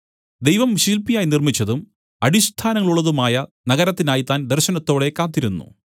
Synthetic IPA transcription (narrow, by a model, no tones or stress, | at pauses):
d̪e̞jʋɐmɕilpijaːjnirmit͡ɕːɐðum | ɐɽist̪ʰaːnɐŋːɐɭuɭːɐðumaːjɐnɐɣɐɾɐt̪ːinaːjit̪aːnd̪erɕɐnɐt̪ːo̞ːɽe̞kaːt̪ːiɾunːṵ